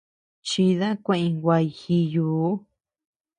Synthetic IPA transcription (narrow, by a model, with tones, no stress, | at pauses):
t͡ʃi˧ða˦kʷẽ˦ʔĩ˧ɡʷwʷa˧i˧xi˧juː˨˧˦